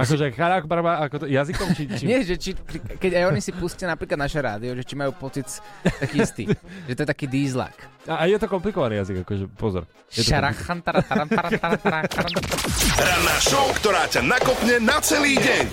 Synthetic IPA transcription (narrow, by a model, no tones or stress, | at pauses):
akɔʒɛxaʎakbaɾbaakɔt̪jazikɔmt͡ʃit͡ʃiɲɪɛʒɛt͡ʃikikɛcajɔɲisipuscanapɾiːklad̪naːʃɛɾa̰ːd̪iɔʒɛt͡ʃimajuːpɔt͡sit͡st̪akiːist̪ḭːʒɛt̪ɔɛt̪akiːd̪iːzla̰kaːjɛt̪ɔkɔmplikɔʋaniːjaziɡakɔʒɛpɔzɔ̰ɾ | jɛtʃɔaɾaxant̪aɾaaɾaɾaɾɾaaɾ | ɾad̪aːʃɔʊkt̪ɔɾaːcanakɔpɲɛnat͡sɛliːɟɛɲ